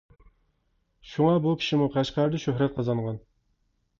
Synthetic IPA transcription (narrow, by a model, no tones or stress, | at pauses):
ʃuŋɑbukʲʰi̥ʃimuqʰæʃqæɾd̪ɨʃøhɾɛt̪̚qʰɑzɑnʁɑn